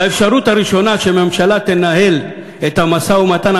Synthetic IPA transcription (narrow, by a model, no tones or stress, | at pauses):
aefʃaɾutaɾiʃo̞naʃememʃalatenaɦel | etamasaumatan